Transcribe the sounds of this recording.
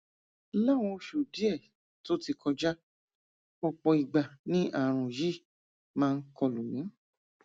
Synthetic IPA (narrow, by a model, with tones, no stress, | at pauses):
la˦˨w̃ɔ̃˧ʃu˨di˦ɛ˦˨ | to˦ti˧kʰɔ˧d͡ʒa˦ | ɔ˧k͡pɔ˧i˨ɡ͡ba˨nĩ˦ʔa˦˨ɾ̃ũ˨ji˦˨ | mãː˦˧˦kɔ˧lu˨mĩ˨˦